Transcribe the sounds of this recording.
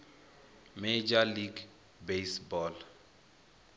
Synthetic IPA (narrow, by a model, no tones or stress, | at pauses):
med͡ʒaliɡ | besbɔl